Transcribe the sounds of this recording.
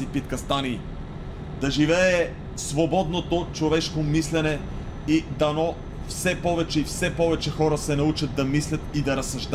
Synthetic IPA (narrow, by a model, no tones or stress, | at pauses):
ipit̪kɐst̪aniː | d̪ɐʒivɛɛ | svobɔd̪not̪ot͡ʃovɛʃkomislɛnɛ | id̪ɐnɔ | fsɛpɔvɛt͡ʃɛifsɛpɔvɛt͡ʃɛxɔɾəsɛnɐut͡ʃɐd̪̚d̪ɐmislʲɐt̪id̪ɐɾɐsɐʒd̪